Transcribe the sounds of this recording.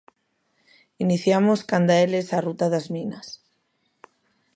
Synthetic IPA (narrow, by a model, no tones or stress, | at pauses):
iniθjamoskand̪aelesarut̪aðazmĩnas